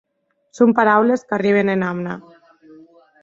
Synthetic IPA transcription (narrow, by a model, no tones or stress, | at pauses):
sompaɾawleskariβ̞enenamna